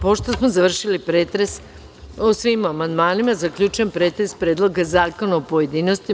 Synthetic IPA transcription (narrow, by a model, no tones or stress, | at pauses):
poʃt̪osmozaʋr̩ʃilipɾeːt̪ɾes | osʋimamand̪maːnimazakʎʲut͡ʃujempɾeːt̪ɾespɾeːd̪lˠo̞ɡazaːko̞naopo̞jed̪iːnost̪i